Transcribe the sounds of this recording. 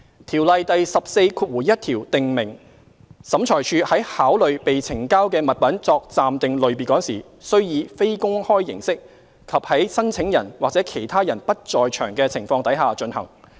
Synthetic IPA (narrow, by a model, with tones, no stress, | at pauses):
t̪ʰiː˨˩wlɐ˨jt̪ɐ˨jsɐ˨p̚se˧jkʰuː˧t̚wuː˨˩jɐ˥t̚t̪ʰiː˨˩wt̪ɪ˨ŋmɪ˨˩ŋ | sɐ˨˥mt͡ʃʰɔː˨˩jt͡ʃʰyː˧hɐ˨˥jhaː˨˥wlɵ˨ɥpe˨jt͡sʰɪ˨˩ŋkaː˥wkɛː˧mɐ˨t̚pɐ˨˥nt͡sɔː˧k̚t͡saː˨mt̪ɪ˨ŋlɵ˨˧ɥp̬iː˨t̚kɔː˨˥ŋsiː˨˩ | sɵ˥ɥjiː˨˧fe˥jkʊ˥ŋhɔː˥jjɪ˨˩ŋsɪ˥k̚ | kʰɐ˨p̚hɐ˨˥jsɐ˥nt͡sʰɪ˨˥ŋjɐ̰˨˩nwaː˨k̚t͡sɛː˨˥kʰe˨˩jt̪ʰaː˥jɐ˨˩npɐ˥t̚t͡sɔː˨jt͡ʃʰœ̰ː˨˩ŋkɛː˧t͡sʰɪ˨˩ŋfɔː˧ŋt̪ɐ˨˥jɦaː˨t͡ʃɵ˧nhɐ˨˩ŋ